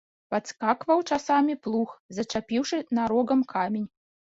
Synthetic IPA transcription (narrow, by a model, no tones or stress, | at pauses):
pat̪skakvɐwt͡ʂasamʲiplˠuxzɐt͡ʂapʲiwʂɨnaɾɔɡɐmkʰamʲenʲ